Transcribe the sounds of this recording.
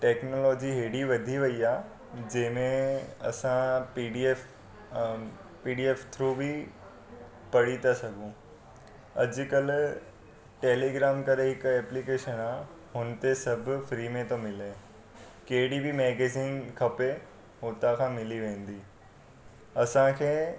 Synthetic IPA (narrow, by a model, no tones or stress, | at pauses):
ʈeːknoːlɔːd͡ʑiɦeːɽiʋɐd̪ʱiʋɐiaː | d͡ʑɐ̃ɦɪ̃mẽɐsãpiːɖief | piːɖieːft̪ʰɾuːbʱi | pɐɽit̪asɐɡʱũ | ɐd͡ʑʊkəl | ʈeːleːɡɾaːmkɐɾeɦɪkɛːplikeːʃənaː | ɦʊnt̪esɐbʱʊ̆fɾiːmẽt̪omɪleː | keɦɪɽibimɛːɡeːziːŋkʰɐpe | ɦoːt̪akʰãːmɪliʋẽːn̆d̪iː | ɐsãkʰeː